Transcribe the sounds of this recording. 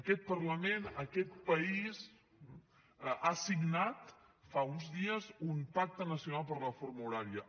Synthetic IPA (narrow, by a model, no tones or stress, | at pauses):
əkɛt̪̚pəɾləmenəkɛt̪̚pəiz | asiɡnat̪ | faunzðiəzumpak̚t̪ənəsiunalˠpəɾləfoɾmuɾaɾiə